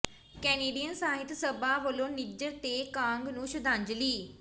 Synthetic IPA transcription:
kɛːneːɖiːjənsaːɦɪt̪səbaːʋəlõːnɪd͡ʒəɾt̪eːkãːŋɡnũːʃəd̪ʱãːɲd͡ʒliː

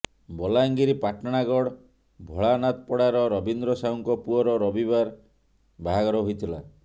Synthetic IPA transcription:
bɔlaŋɡiɾipaʈaɽ̃aɡɔɽ | bʱɔɭanat̪ɔpɔɽaɾɔɾɔbind̪ɾɔsauŋkɔpuɔɾɔɾɔbibaɾ | baɦaɡɔɾɔɦojt̪ʰila

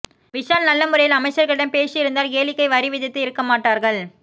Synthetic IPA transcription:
ʋɪʂaːlnɐlːɐmɯɾɐjɪlɐmɐɪt͡ʃːɐɾɣɐɭɪɽɐnpeːsɪjɪɾɯnd̪aːlkeːlɪkːɐɪʋɐɾɪʋɪðɪt̪ːɯɪɾɯkːɐmaːʈːaːɾɣɐɭ

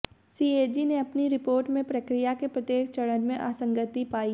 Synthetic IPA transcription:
siːeːd͡ʒineɐpniɾɪpoːɾʈmẽpɾɐkɾijakepɾɐt̪eːkt͡ʃɐɽənmẽʔaːsə̃ŋɡət̪ipaːi

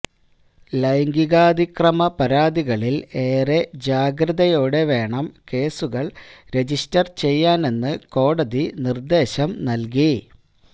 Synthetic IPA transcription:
lɐjŋɡiɣaːd̪ikrɐmɐpɐɾaːd̪iɣɐɭile̞ːre̞d͡ʑaːɡɾɐðɐjoːɽe̞ʋe̞ːɳɐmke̞ːsuɣɐɭɾe̞d͡ʑistɐrt͡ɕe̞jːaːne̞nːɨko̞ːɽɐðinird̪e̞ːɕɐmnɐlk̬i

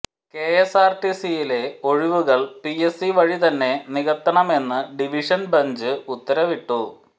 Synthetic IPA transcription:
ke̞esaːrʈisijile̞o̞ɻiʋuɣɐɭpiesiʋɐɻit̪ɐnːe̞niɣɐt̪ːɐɳɐme̞nːɨɖiʋiʂɐnbɐɲd͡ʑɨut̪ːɐɾɐʋiʈːu

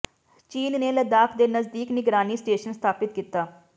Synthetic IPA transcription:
t͡ʃiːnneːləd̪aːkʰd̪eːnəzd̪iːknɪɡɾaːniːsʈeːʃənst̪ʰaːpɪt̪̚kiːt̪aː

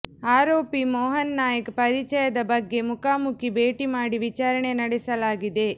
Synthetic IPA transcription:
aːɾoːpimɔːɦɐnːaːjɐkpɐɾit͡ʃɐjɐd̪ɐbɐɡːe̞mukaːmukibeːʈimaːɽiʋit͡ʃaːɾɐɳe̞nɐɽɛsɐlaːɡid̪e̞

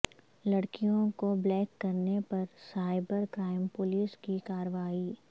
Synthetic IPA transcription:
lɐɽkijõkoblɛːkːɐɾnepɐɾsaːɪbəɾkɾaːɪmpʊliːskikaːɾəʋaːiː

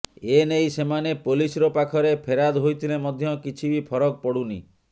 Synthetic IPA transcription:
enejsemanepolisɾopakʰɔɾepʰeɾad̪ɦojt̪ʰilemɔd̪ʱjɔkit͡ʃʰibipʰɔɾɔk̚pɔɽunḭ

